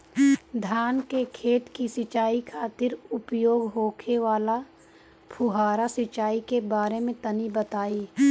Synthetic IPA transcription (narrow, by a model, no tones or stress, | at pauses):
d̪ʱjaːnkekʰeːt̪kisɪt͡ʃaːikʰaːt̪ɪɾʊpjoːɡɦoːkʰeʋaːla | pʰʊɦaːɾasɪt͡ʃaːikebaːɾemẽt̪ɐnibət̪aːiː